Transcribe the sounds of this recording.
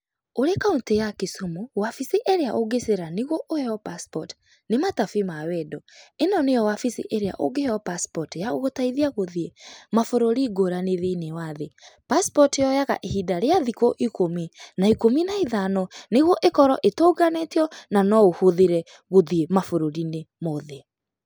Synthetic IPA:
oɾekauntejakesomowafisiʔeɾeaʔoɡeseɾaneɣwɔʔoeɔpaspɔt | nematafimawɛdɔenɔnejɔwafisḭʔeɾea̰ʔo̰ɡejɔpaspɔtjaoɣotaiðiaɣoðiemafoɾoɾiɡoɾaneðeinewaðepaspɔtjɔjaɣa̰ʔehidaɾeaðikoʔikominaikominaiðanɔneɣwɔʔekɔɾɔʔetoɡaneteɔnanɔohoðeɾɛ | ɣoðiemafoɾoɾinemoðe

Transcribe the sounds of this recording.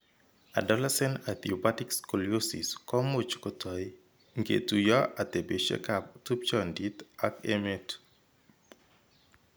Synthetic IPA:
a̰dɔlɛsɛnat̪iɔpatikskoliosḭskɔmot͡ʃkɔtʰɔj | ŋɡḛtujaʔat̪ebeʃḛkaptup̚t͡ʃɔndit̪akemet

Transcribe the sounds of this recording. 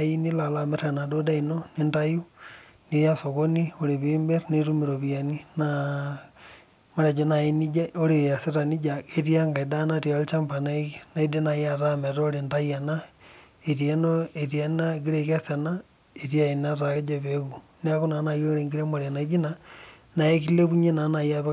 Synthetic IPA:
ajinilalameɾenadodainonindaju | niɾjasoɣonioɾiβimbeɾneɾumiɾoβjanina | moɾad͡ʒonainid͡ʒaoɾijasiɾanid͡ʒaeɾjaŋɡaidanaɾialit͡ʃampanainaidenajaɾameɾooɾintajana | eɾjenoeɾjanaɣiɾeɣasana | eɾjainaɾaɣed͡ʒaβeɣunakonanajoɾeŋɡiɾemoɾanaɡina | najekileβuɲenanajaβe

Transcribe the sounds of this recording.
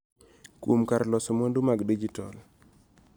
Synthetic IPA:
kumkaɾlɔsomondumaɡdid͡ʒitɔ̰l

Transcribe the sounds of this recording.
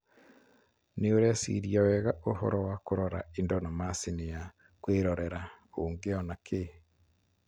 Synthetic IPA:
neoɾɛsḭɾiɔwɛɣaʔohɔ̰ɾɔwakoɾɔɾa̰indɔnamasineja | kweɾɔɾɛɾaoːŋɡeɔnakʰe

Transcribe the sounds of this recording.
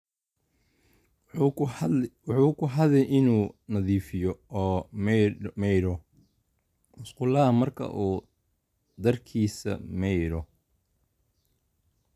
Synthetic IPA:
wħuːkʰʊɦɐdɛjʔɪnuːnɐðiːfɪjɔɔː | mɛjɾɔ | mʊsqʊlɐɐmɐrkʰɐ̰ʔuː | d̪ɐrkʰiːsɐ̰mɛjɾɔ

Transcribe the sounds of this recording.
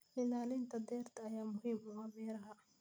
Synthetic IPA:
ɪlaːlint̪ʰɐd̪ɛːrt̪ʰɐːjaːmʊhiːmʊwamɛːɾɐɦɐ

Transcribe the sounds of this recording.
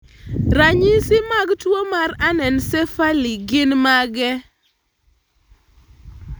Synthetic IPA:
ɾaɲɪsɪmaɡtwomaɾanɛnsɛfaliɡɪnmaɡɛ

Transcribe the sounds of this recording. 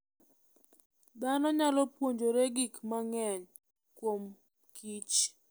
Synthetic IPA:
d̪anɔɲalɔpwoɲd͡ʒoɾeɡikmaŋɛɲ | kwom | kʰit͡ʃ

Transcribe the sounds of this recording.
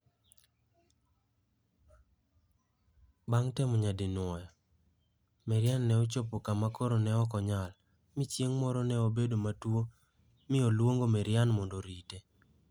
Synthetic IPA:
baŋtɛmɔɲadɪnwɔjɔ | mɛɾjanːɛot͡ʃopokamakoɾonɛɔkɔɲal | mɪt͡ʃjeŋmɔɾɔnɛobedomatwo | mɪolwoŋɡomɛɾjanmɔndoɾite

